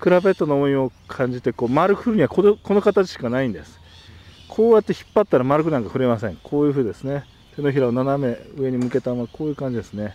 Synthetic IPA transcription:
kɯ̟ɾabe̞t̪ːo̞nooĩo̞kʰãɲ̟d͡ʑit̪e̞ko̞ːmaɾɯ̟kɯ̟ɸɯɾɯ̟ɲ̟iβakokʰo̞no̞kat̪at͡ɕi̥ɕkanaĩnd̪esɨ̥ | kʰo̞ːjat̪ːe̞çi̥pːat̪ːaɾamaɾɯkɯ̟nãŋkaɸɯ̟ɾe̞masẽ̞ŋkʰoːjɯ̟ːɸɯ̟ːd̪e̞sɨne̞ | t̪e̞noçiɾaonaname̞ɯ̟e̞ɲ̟imɯ̟ke̞t̪amakʰo̞ːjɯ̟ːkãɲ̟d͡ʑid̪e̞sɨne̞

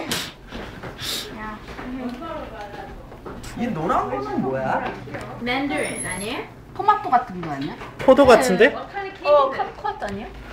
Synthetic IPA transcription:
ja | inoɾamemɯnmoja | mɛndaɲe | pʰomat͈oɡatʰɯnɡoaɲopʰodoɡatʰɯnde̞kʰekʰakʰoat̚t͈aɲo

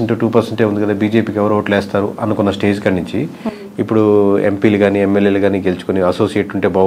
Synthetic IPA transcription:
eɳʈuʈuːpɐɾseɳʈeːund̪ikɐd̪aːbiːd͡ʒe̞ːpiːkɛʋɐɾoːʋɐʈlɛːst̪aːɾuʔɐnukonːɐsʈe̞ːd͡ʒkɐnːiɲt͡ʃiː | pːuɽuḛmpiːluɡaːniemːeljeːluɡaːniɡelut͡ʃu̥koniɐso̞ːsijeʈuɳʈe̞ːbɐ

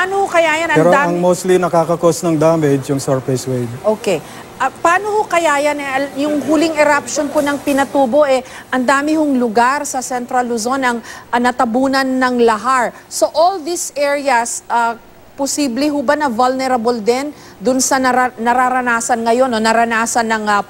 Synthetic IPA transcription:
panohokɐjaːjɐnɐpɛɾod̪aɐŋmost̪linɐkakɐkosnɐŋd̪amɛd͡ʒjʊŋsɐɹpɛswejd̪̚ʔokɛ | ʔɐpɐaːnohokɐjaːjɐnɛʔɐjʊŋɦulɪŋɛɾap̚ʃonponɐŋpɪnɐt̪uːbo̞ʔɛ | ʔɐnd̪aːmɪhoŋlʊɡaɾsɐsɛnt̪ɾɐlʊzo̞nɐŋnɐt̪ɐbuːnɐnːɐŋlɐɦaɹso̞ʔolðisʔɛɹiɐsʔɐ | posiːblɛɦubɐnɐvɐlnɛɾɐbold̪ɛn | d̪ʊnsɐɐɐnɐɾaɾɐnaːsɐnŋɐjo̞nːonɐɾɐnaːsɐnːɐŋɐ

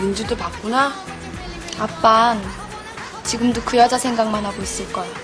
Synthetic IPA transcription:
mind͡ʑudɯpak̚k͈una | ap͈an | t͡ɕiɡɯmdokɯjʌd͡ʑasʰeŋɡaŋmanɦaɡois͈ɯɭk͈ajo

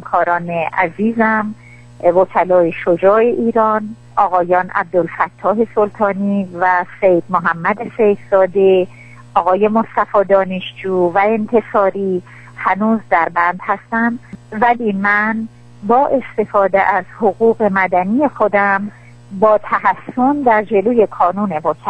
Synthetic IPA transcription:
mkʰɒːɾɒːneʔæziːzæm | vocʰælɒːjeʃod͡ʒɒːe̞ʔiːɾɒn | ʔɒːɣɒːjɒːnʔæ̰b̚d̪olfæt̪ʰːɒːɦe̞so̞lt̪ʰɒːnivæsejd̪̚moɦæmːæd̪esejhzɒːd̪e | ʔɒːɣɒːje̞most̪æfɒːd̪ɒːneʃd͡ʒuːvæe̞nt̪ʰe̞sɒːɾiː | hænuːzd̪æɾbænd̪̥hæst̪ænd̪væliːmæn | bɒːʔe̞st̪e̞fɒːd̪eʔæz̥hoɣuːɣe̞mæd̪ænijexod̪æm | bɒːt̪ʰæɦæsːo̞nd̪æɾd͡ʒe̞loːje̞kʰɒːnuːne̞vokʰæ

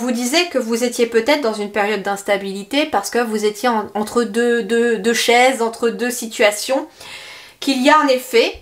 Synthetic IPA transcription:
vud̪izɛkəvuzet̪jepøt̪ɛt̪χd̪ɑ̃zynpeʁjɔd̪̚ːɛ̃st̪abilit̪epaʁsə̥kəvuzet̪jeɑ̃ɑ̃t̪χəd̪ød̪ød̪øʃɛzɑ̃t̪χəd̪øsit̪ɥasjɔ̃ | kʲilijaɑ̃nefɛ

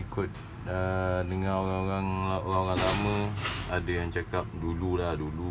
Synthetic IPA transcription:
ikʊt̪̚ | ədəŋãnoaŋoɾaŋoɾaŋoɾaŋlamə̃adajaŋt͡ʃakap̚dululahdulu

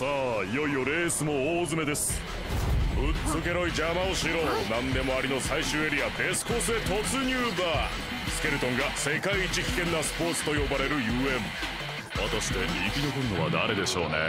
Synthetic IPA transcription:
saːijo̞io̞ɾe̞ːsɨmo̞ːzɨme̞d̪e̞sɨ̥ | ɯ̟t͡sːɨke̞ɾo̞id͡ʑamaoɕiɾo̞ːnãnd̪e̞mo̞aɾʲino̞saiɕɨːe̞ɾʲiab̪e̞sɨ̥ko̞ːsɨet̪o̞t͡sɨɲ̟ʲɨːbaː | sɨ̥ke̞ɾɯ̟t̪õ̞ŋɡase̞kaiːt͡ɕikʲi̥kẽ̞nːasɨ̥po̞ːt͡sɨ̥t̪o̞jo̞baɾe̞ɾɯ̟jɯːẽ̞m | βat̪aɕi̥t̪e̞ɲʲiːkʲinokɯnnːo̞βa̰d̪a̰ɾe̞d̪e̞ɕo̞̰ːnḛ

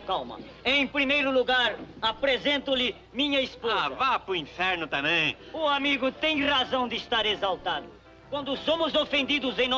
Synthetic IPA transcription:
kawmɐ̰ | ẽj̃pɾimejɾʊluɣaɾapɾezẽnt̪ʊlɪ | mĩɲɐispozɐvapɾʊĩfɛɾnʊt̪ɐ̃mẽj̃ʊamiɣʊt̪ẽj̃ʁazɐ̃w̃d̪ɪʃt̪aɾezalt̪aðʊ | kwɐ̃nd̪ʊsomʊzofẽnd̪iðʊzẽj̃nɔ

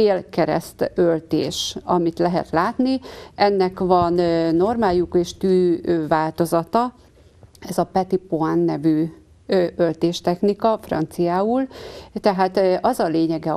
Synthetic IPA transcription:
eːlkɛɾɛ̰st̪ølt̪ḛːʃɒmit̪lɛɦɛ̰t̪laːt̪niɛnːɛkʋɒnːo̞rmaːjukeːʃt̪yːvaːlt̪o̞zɒt̪ɒ | ɛzɒpɛt̪ipoanːɛvy | ølt̪eːʃt̪ɛxnikɒfrɒ̰nt̪sijaːult̪ɛɦaːt̪ɒzɒleːɲɛɡɛ

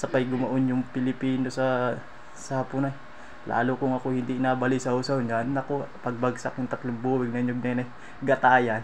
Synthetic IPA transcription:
sɐpajɡʊmɐʔonjʊŋpɪlɪpiːnosɐ | saːpʊnaj | la̰ːlokʊŋɐkohɪnd̪iʔɪnaːbalɪsɐusɐʊɲanɐkopɐɡ̚baɡsak̚jʊŋt̪ɐt̪lʊŋbuːwɪɡ̚nɐɲoɡ̚nanɐj | ɡɐt̪aːjan

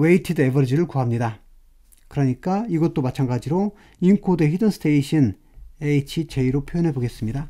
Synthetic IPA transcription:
weitʰɯdebʌɾd͡ʑiɾɯɭkuɦamɲida | kɯɾʌɲik͈aiɡʌt̚t͈omat͡ɕʰaŋɡad͡ʑiɾo | inkʰodeɦidɯnsʰɯ̥tʰeiɕʰin | eit͡ɕʰit͡ɕeiɾopʰjojʌnɦe̞boɡe̞s͈ɯmɲida

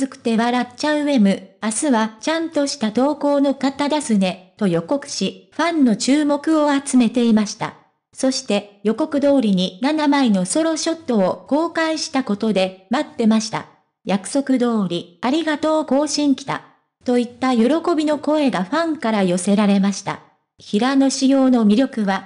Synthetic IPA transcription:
zɨkɯ̟̥t̪e̞βaɾat͡ɕaɯ̟e̞mɯ̟asɨβat͡ɕãnt̪o̞ɕi̥t̪ad̪o̞ːko̞ːno̞kat̪ad̪asɨne̞t̪o̞jo̞ko̞kɯ̟̥ɕiɸãnːo̞t͡ɕɨːmo̞kɯ̟o̞at͡sɨme̞t̪e̞imaɕi̥t̪a̰ | so̞ɕi̥t̪e̞jo̞ko̞kɯ̟d̪o̞ːɾʲiɲ̟inanamaino̞so̞ɾo̞ɕo̞t̪ːo̞ːko̞ːkaiɕi̥t̪ako̞t̪o̞d̪e̞mat̪ːe̞maɕi̥t̪a̰ | jakɯ̟̥so̞kɯ̟d̪o̞ːɾʲiaɾʲiɡat̪o̞ːko̞ːɕĩŋkʲi̥t̪a̰ | t̪o̞it̪ːajo̞ɾo̞ko̞bʲino̞ko̞e̞ɡaɸãŋkaɾajo̞se̞ɾaɾe̞maɕi̥t̪a̰ | çiɾano̞ɕijo̞ːno̞mʲiɾʲjo̞kɯ̟βa

